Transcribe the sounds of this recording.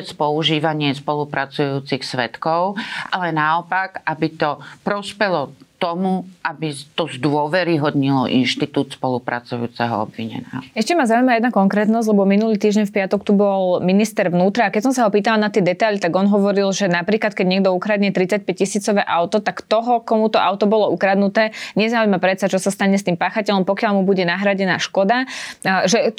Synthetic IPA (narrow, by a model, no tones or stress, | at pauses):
ɛt͡spɔuʒiːʋaɲɪɛspɔlupɾat͡sujuːt͡sixsʋɛt̪kɔʊʔalɛnaɔpakabit̪ɔpɾɔspɛlɔt̪ɔmuʔabit̪ɔzd̪ʊɔʋɛɾiɦɔd̪ɲilɔ̰ʔḭnʃt̪it̪uːt̪spɔlupɾa̰t͡sujṵːt͡sɛɦɔ̰ɔ̰bʋiɲɛ̰nɛ̰ːɛʃcɛmazauimajɛd̪nakɔŋkɾɛːt̪nɔzɟʲlɛbɔminuliːt̪iːʒɟɛɲfpɪat̪ɔkt̪ubɔlminist̪ɛɾʋnuːt̪ɾaːkɛcsɔmsaɦɔpiːt̪alanat̪ɪɛd̪ɛt̪ajlit̪aɡɔnɦɔʋɔɾilʒɛnapɾiːklat̪̚kɛɟɲɛɡ̚d̪ɔukɾaːd̪ɲɛt̪ɾit͡sac̚pɛc̚cisiːt͡sɔʋɛːʔaʊt̪ɔt̪akt̪ɔɦɔkɔmut̪ɔʔaʊt̪ɔbɔlɔukɾad̪nut̪ɛːɲɛzaujmapɾɛt̪sat͡ʃɔsast̪aɲɛs̬t̪iːmpaːxacɛlɔmpɔkɪalmubuɟɛnaɦɾaɟɛna̰ːʃkɔd̪aʒɛ